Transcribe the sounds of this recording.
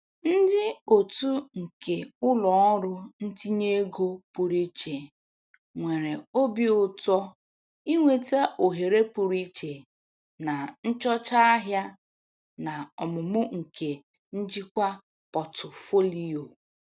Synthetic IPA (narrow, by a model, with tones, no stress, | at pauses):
n̩˦dɪ˦o˨tu˦ŋ̩˨ke˨ʊ˦lɔ˨ɔ˦ɾʊ˦n̩˦ti˦ɲe˦ɡo˦pu˨ɾi˦t͡ʃe˨ | ŋʷe˨ɾe˨o˦bi˦ʊ˨tɔ˦ | i˦ŋʷe˨ta˦ʔo˨ɦe˨ɾe˦pu˨ɾi˦t͡ʃe˨ | na˨n̩˦t͡ʃɔ˦t͡ʃa˦a˦ɦja˦ | na˨ɔ˨mʊ˨mʊ˦ŋ̩˨ke˨ | n̩˦d͡ʒi˦kʷa˦ | pɔ˨tʊ˨fo˦li˦o˨